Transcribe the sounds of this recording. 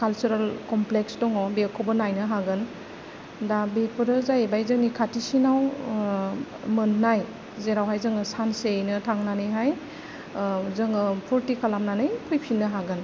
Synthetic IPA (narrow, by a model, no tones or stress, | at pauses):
kalt͡ʃuɾalkɔmpleksdɔŋɔbekʰɔbɔnajnɯɦaɡɯn | dabepʰɯɾɯzajbajzɯŋnikʰatisinaw | mɯnːaj | zeɾawɦajzɯŋɯsansenɯtʰaŋnanɯjɦaj | zɯŋɯpʰɔɾtikʰalamnanɯjpʰɔjpʰinːɯɦaɡɯn